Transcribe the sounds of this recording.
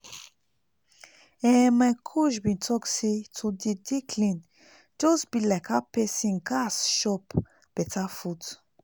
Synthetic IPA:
ɛmãkʰuʃbĩntʰɔksitʰudidikʰlĩn | d͡ʒosbilɛkapesĩŋkasʃɔp | b̥ɛtafut

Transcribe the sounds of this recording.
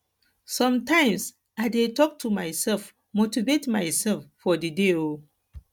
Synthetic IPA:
sɔ̃mtãɪ̃ms | aɪdetɔk̚tʰumajsɛlf | motivetmajsɛlfːɔdideo

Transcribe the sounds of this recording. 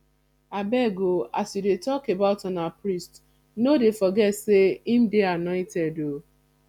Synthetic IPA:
abɛɡoasjudetɔkebaʊtanapɾist | nodefɔɡɛtseim̩deanɔɪtɛdo

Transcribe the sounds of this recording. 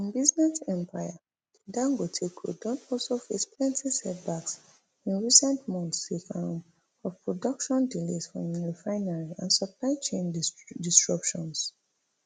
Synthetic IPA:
ĩnbiznɛsɛ̃mpʰaɪa | d̥idãŋɡotʰekʰo̰dɔ̃tɔsofesplɛ̃ntʰidsɛt̚baks | ĩnɹisɛ̃ntmɔ̃ntsekãm | ɔvpɹɔdɔkʃɔ̃ndilesfɹɔ̰̃milifaɪnaɹiãnsɔplaɪt͡ʃẽndistɹɔpʃɔ̃ns

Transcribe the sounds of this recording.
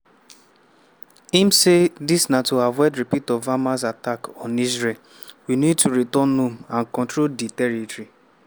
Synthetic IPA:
im̩sedisnatuhavwɛdɾipitɔvamas̬atakɔ̃nizɹel | winid̚tʰuɾitɔnːumãnkɔ̃ntɹolditɛɾitɾi

